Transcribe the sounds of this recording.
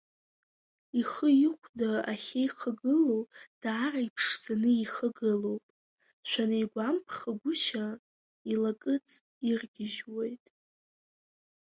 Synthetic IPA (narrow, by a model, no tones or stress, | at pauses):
iχəɪχʷdaaχʲaiχʰəɡɨlowd̥aːraipʰʂd͡zanɨiχəɡɨlo̞wpʼ | ʃʷᶣanɨjɡʷampʰχaɡʷʊʃa | ilakʼɨt͡sʼ | irɡʲɪʒwe̞jtʼ